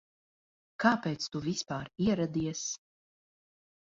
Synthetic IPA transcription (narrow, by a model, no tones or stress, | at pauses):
kaːpeːt̪st̪uvispaːɾiɛɾad̪iɛs